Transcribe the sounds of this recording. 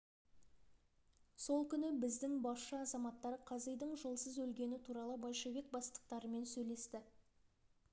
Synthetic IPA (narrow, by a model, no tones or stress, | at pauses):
so̞lˠkʲʰʏnɪbɪzd̪ɪŋbɑsʃɑɑzɑmɑt̪ːɑɾəqʰɑzejd̪əɴʒolˠsəzɵlɡʲe̞nɪt̪ʰuɾɑlˠəbolʲʃevek̚bɑst̪ə̥q̚t̪ɑɾəme̞nsɵjle̞st̪ɪ